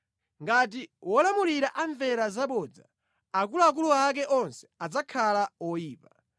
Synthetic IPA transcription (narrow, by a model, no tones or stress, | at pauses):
ŋɡat̬iwɔlamuliɾaʔaɱvɛɾazaɓɔd͡za̰ | ak̬uluak̬uluak̬ɛʔɔnsɛ̥ad͡zakʰalawɔjiːpa